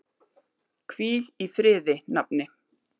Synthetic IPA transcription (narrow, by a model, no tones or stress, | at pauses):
kʰviːlifɾɪːðɪnap̚nɪ